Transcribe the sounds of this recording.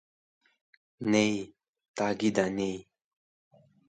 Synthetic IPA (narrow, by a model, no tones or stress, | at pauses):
nej | t̪aɡid̪anej